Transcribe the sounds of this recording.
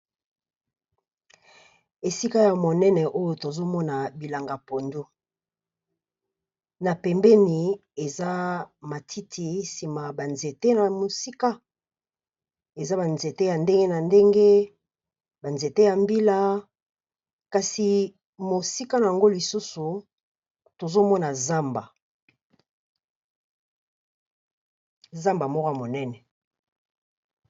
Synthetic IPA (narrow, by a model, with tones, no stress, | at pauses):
e˨si˦ka˦ja˨mo˨nɛ˦nɛ˨ʔo˦jo˨to˨zo˦mɔ˦na˨bi˨la˨ŋɡa˨po˨ndo˦ | na˨pɛ˨mbɛ˦ni˨e˨za˦ma˨tʰi˦tʰi˨si˨ma˨ba˨nze˨te˦na˨mo˨si˦ka˦ | e˨za˦ba˨nze˨te˦ja˨nde˦ŋɡe˦na˨nde˦ŋɡe˦ | ba˨nze˨te˦ja˨mbi˦la˦ | ka˨si˨ | mo˨si˦ka˦na˨ja˨ŋɡo˦li˨su˦su˨ | to˨zo˦mɔ˦na˨za˦mba˨ | za˦mba˨mɔ˦ka˦mo˨nɛ˦nɛ˨